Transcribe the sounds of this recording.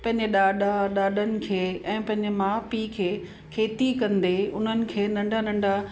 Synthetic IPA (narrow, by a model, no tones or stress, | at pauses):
pɐ̃ɦɪ̃ɲd͡ʑeɗaːɗaɗaːɗənɪ̆kʰeːɛ̃ːpɐ̃ɦɪ̃ɲd͡ʑemaːpikʰeː | kʰeːt̪ikɐ̃nd̪eʊn̤ənɪ̆kʰeːnɐ̃ɳɖʱanɐ̃ɳɖʱa